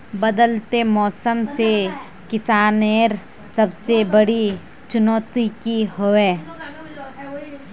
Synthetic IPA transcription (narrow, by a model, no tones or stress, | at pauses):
bəd̪əlt̪emɔːsəmse | kɪsaːneːɾ | sɐbsebəɽi | t͡ʃʊnɔːt̪ikiɦoeː